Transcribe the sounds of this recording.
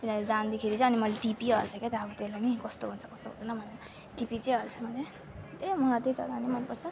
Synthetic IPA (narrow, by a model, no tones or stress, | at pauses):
t̪inaled͡zand̪ekʰeɾit͡sʌ̃ʌnimʌleʈipiʌlt͡sʰʌket̪ʌʌbʌt̪elanikʌst̪oɦunt͡sʰʌ̥kʌst̪oɦṵnt͡sʰnʌmʱʌne | ʈipit͡sʌ̃ʌlt͡sʰʌmʱʌle | t̪emʌɦat̪et͡sʌ̰d̪animʌnpʌrt͡sʰʌ